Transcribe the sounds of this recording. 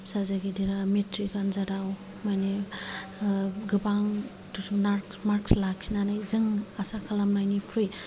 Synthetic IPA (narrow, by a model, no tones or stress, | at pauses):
sazaɡidiɾametɾikanzadaw | majne | ɡɯbaŋ | tusunaɾkmaɾkslak̚sʰinanajzɯŋasakʰalamnajnipʰɾuj